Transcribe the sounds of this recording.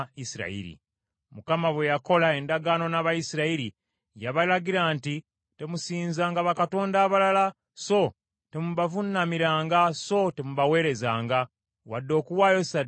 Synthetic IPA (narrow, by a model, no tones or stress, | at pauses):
isiɾa̰ḭɾḭ | mukamaβwe̞jako̞lae̞ndaɡano̞naβaisiɾaiɾi | jaβalaɡiɾaːnti | te̞musiːnzaːŋɡaβakato̞ːndaːβalala | so̞ | te̞muβavunːamiɾaːŋɡaso̞temuβawe̞ːɾe̞zaːŋɡa | wadːo̞ːkuwaːjo̞sa